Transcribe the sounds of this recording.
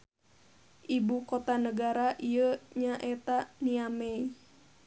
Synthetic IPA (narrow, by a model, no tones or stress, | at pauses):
ʔibukɔt̪anəɡaɾaʔiəɲaʔɛt̪aniamɛi